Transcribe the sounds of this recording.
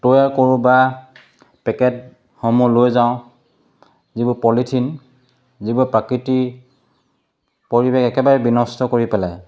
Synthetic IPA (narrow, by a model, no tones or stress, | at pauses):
tojaɹkoɹũba | pɛkɛt̚ | hɔmulojzaʊ̃ | zibupɔlitʰin | zibʊpɹakiti | poɹibekɛkɛbaɹɛbinɔstɔkoɹipɛlaj